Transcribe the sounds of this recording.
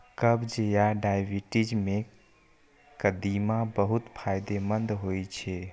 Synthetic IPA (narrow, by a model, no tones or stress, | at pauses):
kəbd͡ʒejaɖajbʱiʈid͡ʒme | kəd̪imabəɦut̪pʰajd̪emənd̪ɦojt͡ʃʰɛ